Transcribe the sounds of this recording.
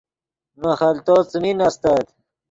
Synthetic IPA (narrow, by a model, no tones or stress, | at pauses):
naχɐlt̪ot͡sminast̪at̪